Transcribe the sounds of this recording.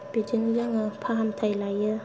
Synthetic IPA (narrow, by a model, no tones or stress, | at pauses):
b̥id͡ʒinilaŋɯpʰaɦamtʰajlajɯ